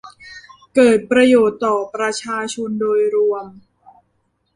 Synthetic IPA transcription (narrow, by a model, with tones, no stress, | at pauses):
kɤː˨˩t̪̚pɾa˧joː˨˩t̪ːɔː˨˩pɾa˧t͡ɕʰaː˧t͡ɕʰo˧ndoː˧jɾu˧əm